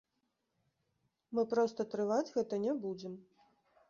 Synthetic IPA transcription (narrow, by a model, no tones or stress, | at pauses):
mɨpɾɔst̪ɐt̪ɾɨvad͡zʲɣɛt̪ɐnʲɛbud͡zʲɛm